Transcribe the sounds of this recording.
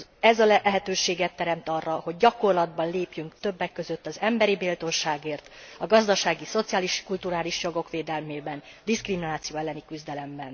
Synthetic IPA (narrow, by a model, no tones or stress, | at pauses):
ɛzɒlɛɦɛt̪øːʃeːɡɛt̪ːɛɾɛmt̪ɒrːɒho̞ɟ̚ɟɒko̞rlɒd̪bɒnleːpjyŋkt̪ø̞bːɛkːø̞zø̞t̪ːɒzɛmbɛɾibiːlt̪o̞nʃaːɡeːrt̪ɒɡɒzd̪ɒʃaːɡiso̞t̪sijaːliʃkult̪uɾaːliʃjo̞ɡo̞kʋeːd̪ɛlmeːbɛnd̪iskriminaːt̪sijoːɛlːɛnikyzd̪ɛlɛmbɛn